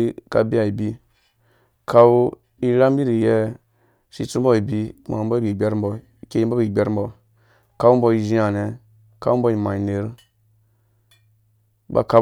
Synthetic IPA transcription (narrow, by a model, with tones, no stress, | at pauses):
ka˨bi˦a˨i˨bi˦ | ka˨w | i˦ɾa˦mbi˦ɾi˨jɛ˦ | sḭ˦t͡su˦m˦bo˦˨i˨bi˦˨ma̰˨˦ba˦i˨ɡ͡be˦ɾm˦bɔ˨ | ke˦i˦ba˦bi˨ɡ͡bʲe˦ɾm̩bɔ˨ | ka˨˦wu˦bɔ˧i˨ʒi˦a˨ne˨ | ka˦u˦m̩˦bɔ˦i˨ma˨i˨ne˨ɾ | ba̰˨ka˦